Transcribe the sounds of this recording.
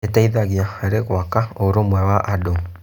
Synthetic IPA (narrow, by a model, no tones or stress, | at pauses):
etaiðaɣahaɾeɣwakaoɾomwɛwaʔado